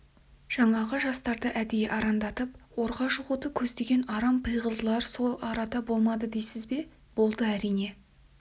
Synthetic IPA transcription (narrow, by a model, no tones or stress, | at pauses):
ʒ̥ɑɴɑʁəʒɑst̪ɑɾd̪ɑʔæd̪e̞jʔɑɾɑnd̪ɑt̪əpwo̞ɾʁɑʃʊʁot̪əkʲʰɵzd̪e̞ɡʲe̞nɑɾɑmpʰɨjʁəlˠd̪əlˠɑɾso̞lˠɑɾɑd̪ɑbo̞lˠmɑd̪əd̪ejsɪzbe̞ | b̥o̞lˠd̪əæɾijne̞